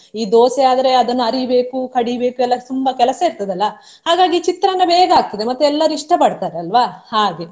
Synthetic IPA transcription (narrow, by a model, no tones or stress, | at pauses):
iːd̪oːseaːd̪ɐɾe̞ɐd̪ɐnːuɐɾibe̞ːkukɐɽibe̞ːkuɛlːɐt̪umbɐkɛlɐsɐiɾt̪ɐd̪ɐlːɐ | haːɡaːɡit͡ʃit̪ɾɐnːɐbeːɡɐaːk̚t̪id̪emɐt̪ːuɛlːɐɾuiʂʈɐpɐɽt̪aːɾeɐlʋahaːɡe̞